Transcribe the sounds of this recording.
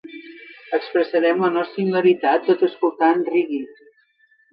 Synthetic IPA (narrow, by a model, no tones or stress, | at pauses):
əkspɾəsəɾɛmlənɔst̪ɾimiləɾit̪at̪ːot̪əskulˠt̪anriɣi